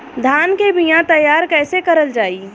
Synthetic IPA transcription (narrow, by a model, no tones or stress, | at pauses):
d̪ʱaːnkebʱijãt̪ɐjːaːɾkɛːsekɐɾəld͡ʒaːiː